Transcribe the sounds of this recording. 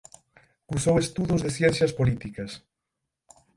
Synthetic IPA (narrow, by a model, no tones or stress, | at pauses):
kusowest̪uðozðeθjɛn̟θjɐspolit̪ikɐs